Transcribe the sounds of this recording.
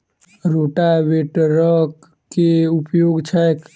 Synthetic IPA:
ɾoʈaʋeʈɾək | keʊpjoːɡt͡ʃʰak

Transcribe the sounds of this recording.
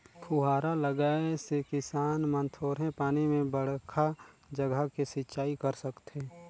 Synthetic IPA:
kʰuɦaːɾaləɡaːesekɪsaːnmə̃nt̪ʰoːɾɦɛ̃paːnimẽbəɽ̤kʰad͡ʒəɡʱəkisɪtːt͡ʃʃaːikəɾsəkt̪e

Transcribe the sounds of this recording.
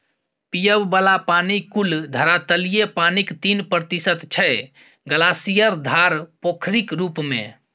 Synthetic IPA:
pijəbbəlapanikuld̪ʱəɾat̪əlijepanikt̪inpɾət̪isət̪t͡ʃʰɛ | ɡəlasijəɾd̪ʱaɾpokʰɾikɾupmḛ̃

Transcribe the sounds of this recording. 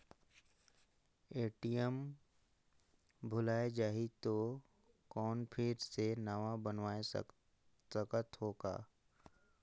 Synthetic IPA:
eːʈijəm | bʱʊlaːed͡ʒaːɦit̪o | kɔːnpʰɪːɾsenəʋabənʋaːḛ | səkət̪ɦoːɡa̰ː

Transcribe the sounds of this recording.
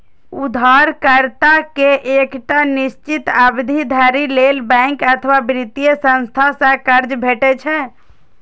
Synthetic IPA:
ud̪ʱaɾkəɾt̪akeʔekʈanist͡ʃit̪abd̪ʱid̪ʱaɾilelbɛ̃ŋkət̪ʰʋabɾit̪ijəsə̃nst̪ʰasə̃kəɾd͡ʒbʱeʈɛt͡ʃʰɛ

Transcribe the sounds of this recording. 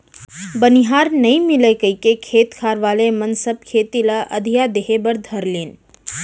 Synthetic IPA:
bənɪɦaːɾnɐɦĩmɪlekəikekʰeːt̪kʰaːɾʋaːlemɐnsəb̚kʰeːt̪ilaʔɐ̰d̪ʱijad̪eɦebəɾd̪ʱɐɾleːn

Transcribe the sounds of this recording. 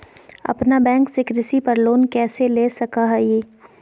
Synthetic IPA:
ɐ̰pnabɛ̃ːŋksɪkɾɪsipɐɾloːnkɛːseleːsɐkaɦɛjeː

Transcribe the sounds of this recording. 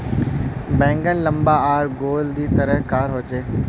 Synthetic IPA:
bɛ̃ːŋɡənlə̃mbaːaːɾɡoːld̪iːt̪əɾəɦkaːɾɦoːt͡ʃeː

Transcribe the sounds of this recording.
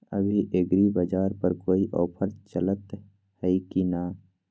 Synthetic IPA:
ə̰bʱiʔeɡɾibad͡ʒaːɾpəɾkoːiʔɔːpʰəɾt͡ʃələt̪ | hɛikinaː

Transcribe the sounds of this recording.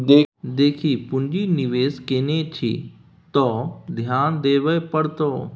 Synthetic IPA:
d̪eːd̪eːkʰiːpʊnd͡ʒiːnɪʋeːskenet͡ʃʰḭ | t̪ɔːd̪ʱjaːnd̪eːʋəpəɽt̪oː

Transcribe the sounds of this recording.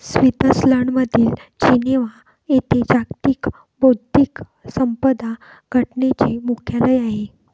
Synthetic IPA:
sʋit̪əsləɳʋəd̪ʱiːld͡ʑineʋa | et̪ed͡ʑakt̪iːk | bod̪iːk | səmpəd̪a | ɡʱəʈnet͡ɕiːmukʰjaləjaɦe

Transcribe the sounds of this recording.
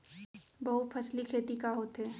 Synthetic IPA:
bɐɦut̪̚pʰɐslikʰeːt̪ikaɦoːt̪ɦɛː

